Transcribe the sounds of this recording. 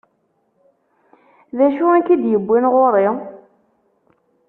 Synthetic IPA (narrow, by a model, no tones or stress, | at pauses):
ðæʃuækid̪jəbːinʁoɾˤɪ